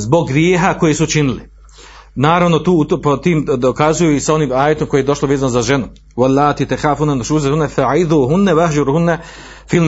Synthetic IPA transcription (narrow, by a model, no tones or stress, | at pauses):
zbo̞ɡːɾjeːɦako̞jesut͡ʃinili | naːɾaʋnot̪uːpot̪iːmd̪okazujuisao̞niːmaːjet̪omko̞jejed̪o̞ʃlˠoʋeːzanozaʒenu | walːaːt̪it̪axaːfunanaʃuːzahunːafaʕiðuːɦunːawaahd͡ʒaɾhunːa | film